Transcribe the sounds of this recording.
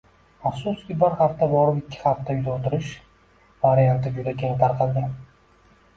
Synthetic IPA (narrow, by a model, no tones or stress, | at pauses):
afsʊskʲɪbɪɾhaft̪abɒɾɪpɪkʲʰːɪ̥haft̪ajʊzaot̪ʰɪɾɪʃ | vaɾijant̪ɪd͡ʒʊd̪akʲʰeŋt̪ʰaɾqʰɑd̪ɪ